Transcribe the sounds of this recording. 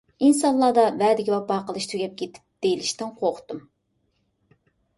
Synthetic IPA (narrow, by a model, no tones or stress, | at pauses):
insɑnlˠːɑːd̪ɑvæːd̪ɪkʲiwɑpɑːqəlˠɨʃt̪ʰyɡʲɛp̚kʲʰet̪ʰɪ̥p̚d̪̥ejlɪʃt̪ɪnqʰoqt̪ɨm